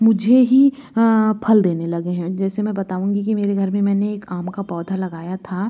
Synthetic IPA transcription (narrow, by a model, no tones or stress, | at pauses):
mʊd͡ʒʱeɦi | pʰɐld̪eːnelɐɡeɦɛ̃d͡ʒɛːsemɛ̃bɐt̪aːũːŋɡikimeːɾeɡʱɐɾmẽmɛ̃ːneːkaːmkapɔːd̪ʱalɐɡaːjat̪ʰaː